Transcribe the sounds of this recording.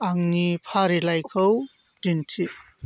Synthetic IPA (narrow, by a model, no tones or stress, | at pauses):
aŋnipʰaɾilajkʰɐw | dintʰi